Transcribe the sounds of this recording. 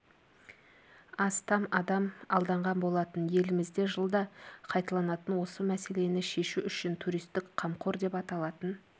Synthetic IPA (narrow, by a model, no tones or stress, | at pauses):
ɑst̪ɑmɑd̪ɑmɑlˠd̪ɑɴʁɑnbo̞lˠɑt̪ənje̞lɪmɪzd̪e̞ʒəlˠd̪ɑqʰɑjt̪ɑlˠɑnɑt̪ənwo̞səmæse̞le̞nɪʃe̞ʃuʏʃɪnt̪ʰuɾijst̪ɪkqʰɑmqʰo̞ɾd̪e̞pɑt̪ɑlˠɑt̪ən